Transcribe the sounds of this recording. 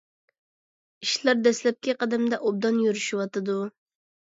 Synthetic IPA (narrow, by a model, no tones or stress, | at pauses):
iʃlˠɑɾd̪ɛslɛp̚kʲiqɑd̪ɛmd̪ɛʔob̚d̪ɑnjyɾyʃiwɑt̪ɨd̪u